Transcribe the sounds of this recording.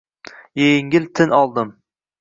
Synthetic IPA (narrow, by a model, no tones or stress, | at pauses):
jejɪŋʲɪlt̪ʰɪnɒlˠd̪ɪm